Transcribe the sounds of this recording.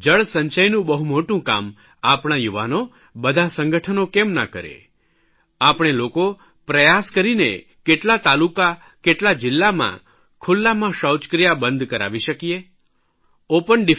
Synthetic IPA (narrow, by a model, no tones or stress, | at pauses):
d͡ʒəɭsəɲt͡ʃəjnũbəɦumoʈũka̰m | apɽ̃ajuʋano | bəd̪ʱasə̃ŋɡəʈʰənokemna̰kəɾḛ | apɳ̃eloko | pɾəjaskəɾinḛ | keʈlat̪aluka | keʈlad͡ʒɪlːamã̰ | kʰulːamãʃəwt͡ʃkɾijabənd̪ʱkəɾa̰ʋiʃəkije | opəɳɖi